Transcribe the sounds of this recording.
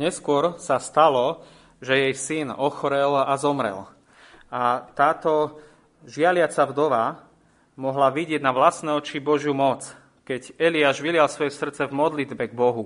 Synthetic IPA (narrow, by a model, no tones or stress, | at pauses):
ɲɛskʊɔɾsast̪alɔ | ʒɛjɛjsinɔxɔɾɛlazɔmɾɛ̰l | at̪aːt̪ɔ | ʒɪalɪat͡savd̪ɔʋa | mɔɦlaʋiɟɪɛɟnaʋlasnɛːɔt͡ʃibɔʒjumɔt͡s | kɛɟɛliaːʒʋilɪalsʋɔjɛsr̩t͡sɛvmɔd̪lid̪bɛɡ̚bɔɦu